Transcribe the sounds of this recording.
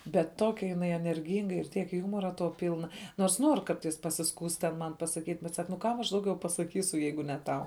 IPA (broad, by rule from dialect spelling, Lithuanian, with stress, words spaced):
bʲɛt ˈtoːkʲɛ jɪˈnɐɪ ɛnʲɛrʲˈɡʲiːŋɡɐ ɪr ˈtʲiɛk ˈjuːmoːrɐ toː ˈpʲiːlˠnɐ noːrs ˈnuɔr ˈkɐrtɐɪs pɐsʲɪˈskuːst tʲɛn ˈmɐn pɐsɐˈkʲiːtʲ bʲɛt sɐk nʊ ˈkɐm ɐʃ ˈdɐʊˌɡʲɛʊ pɐsɐˈkʲiːsʊ ˈjɛɪɡʊ nʲɛ ˈtɐʊ